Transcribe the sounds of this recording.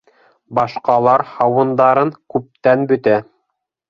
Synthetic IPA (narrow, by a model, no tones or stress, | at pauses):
bɑʃqɑlˠɑɾhɑwɤ̆nd̪ɑɾɤŋkʉp̚t̪ænbɵ̆t̪æ